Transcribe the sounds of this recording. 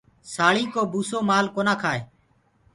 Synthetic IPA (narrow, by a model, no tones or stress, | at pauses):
saːɭĩːkoːbuːsoːmaːlkoːnaːkʰaːeː